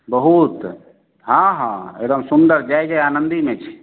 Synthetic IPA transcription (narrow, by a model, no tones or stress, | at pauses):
bəɦut̪ | ɦãɦã̰ḛd̪əmsund̪əɾd͡ʒajɡaaːnənd̪imẽt͡ʃʰi̥